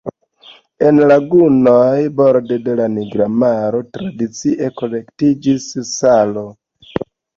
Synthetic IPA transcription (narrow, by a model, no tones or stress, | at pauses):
enlaɡunojboɾdede̞laniɡɾamaɾo̞tɾadit͡siʔe̞ko̞le̞ktid͡ʒisːalo̞